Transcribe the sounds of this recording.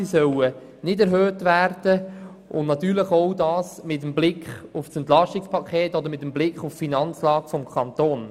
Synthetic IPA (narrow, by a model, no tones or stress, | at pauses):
isœwə | nɪdɛɾɦøːtʋærd̥ə | ʔʊnnɑt̪yːɾləχowdɑːsmɪt̪̬əmblɪkχufsɛnt̪lɑʃtɪkspʰɑkʰχeːtɔd̪əɾmɪtəmblɪkχuffinɑnt͡slɑːɡfɔmkʰχɑnt̪oːn